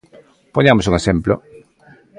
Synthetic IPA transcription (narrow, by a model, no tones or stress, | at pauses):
poɲamosuŋesemplo